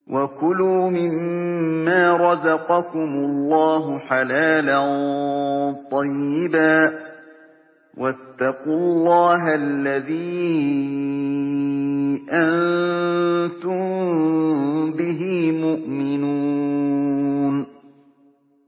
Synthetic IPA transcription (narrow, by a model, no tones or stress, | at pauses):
wʔakʊluːmɪmː | aːɾˤɑzɑqɑkʊmʊlːɑːɦʊħalaːlan | t̪ˤɑjːɪbaː | wʔat̪ːɑqʊlːɑːɦalːaðiː | ʔann | t̪ʊm | bɪɦiːmʊʔmɪnuː | n